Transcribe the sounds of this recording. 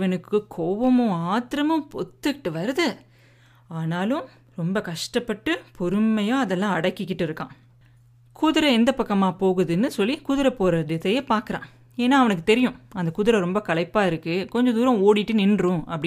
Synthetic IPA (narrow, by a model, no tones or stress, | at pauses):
ʋɐnɯkːɯkʰoːʋɐmʊ̃aːt̪ɪɾɐmʊ̃pɔt̪ːɯkɪʈːɯʋɐɾɯðɯ | aːnaːlʊ̃m | ɾɔmbɐkɐʂʈɐpːɐʈːɯpʰɔɾɯmːɐjaːɐðɛlːãːɐɽɐkːɪkːɪʈːɪɾɯkːã̰ː | kuðɪɾɐɛnd̪ɐpːɐkːɐmaːpoːɣɯðɯnːɯsɔlːikuðɪɾɐpoːɾɐðɪðɐjeːpaːɾkɯɾã̰ː | eːnːaːɐʋɐnɯkːɯt̪ɛɾɪjʊ̃ɐnd̪ɐkʊðʊɾɐɾɔmbɐkɐɭɐɪpːaːɪɾɯkːɯkɔɲd͡ʒɐ̃d̪uːɾɐ̃oːɽɪʈːɯnɪnrʊ̃ɐpːɽɪ